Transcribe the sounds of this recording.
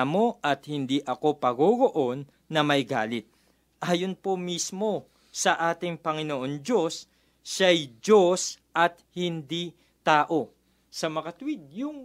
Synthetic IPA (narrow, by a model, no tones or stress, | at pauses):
mo̞ʔɐt̪̚hɪnd̪iʔɐko̞pɐɡoɡoʔo̞nː | ɐmɐjɡa̰ːlɪt̪̚ | ʔaːjonpomismo̞ | sɐʔaːt̪ɪŋpɐŋɪnoʔo̞nd͡ʒo̞sː | ajd͡ʒo̞sʔɐt̪̚hɪnd̪i | t̪aːʔo̞ | sɐmɐkɐt̪ʊwid̪̚jʊŋ